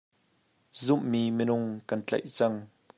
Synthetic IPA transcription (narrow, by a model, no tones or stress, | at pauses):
zʊmːimənʊŋkɐnt͡ɬɐ̰jt͡sɐŋ